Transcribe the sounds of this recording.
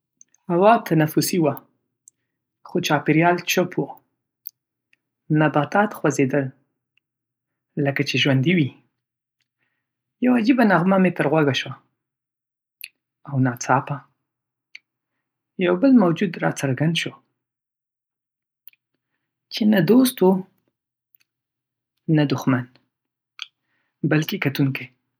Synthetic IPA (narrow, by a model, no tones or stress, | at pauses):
hawɑt̪ʰanafʊsiwa | xot͡ʃɑpɪɾjɑlt͡ʃopwo | nabat̪ɑt̪xwazed̪əl | əkat͡ʃeʒwand̪iwi | jawad͡ʒibanaɣmamet̪əɾɣwaɡaʃwa | awnɑt͡sɑpa | jawbəlmawd͡ʒud̪ɾɑt͡saɾɡand̪ʃo | t͡ʃenad̪ost̪o | nad̪ʊxman | balkekat̪uŋkaj